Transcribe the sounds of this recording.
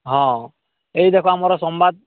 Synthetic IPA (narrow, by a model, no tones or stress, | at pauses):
ɦɔ̃ | ejdɛkʰwaːmaɾɔsɔmbad̪̚